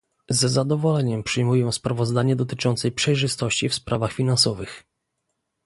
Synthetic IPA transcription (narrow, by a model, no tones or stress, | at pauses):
zɛzad̪ɔvɔlɛɲɛmpʂɘjmujɔ̃w̃spɾavɔzd̪aɲɛd̪ɔt̪ɘt͡ʂɔnt̪sɛjpʂɛjʐɘst̪ɔɕt͡ɕifspɾʔavaxfʲinansɔvɘx